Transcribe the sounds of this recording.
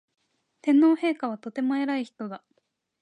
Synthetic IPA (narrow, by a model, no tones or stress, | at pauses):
t̪ẽ̞nːo̞ːhe̞ːkaβ̞at̪o̞t̪e̞moeɾaiçi̥t̪o̞d̪a